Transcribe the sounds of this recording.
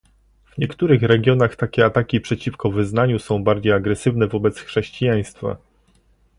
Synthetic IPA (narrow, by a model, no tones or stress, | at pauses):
v̥ɲɛkt̪uɾɘxɾɛɡʲjɔnaxt̪akʲɛat̪akʲipʂɛt͡ɕifkɔvɘznaɲusɔ̃w̃baɾd͡ʑejaɡɾɛsɘvnɛvɔbɛt̪sxʂɛɕt͡ɕijaj̃st̪fa̰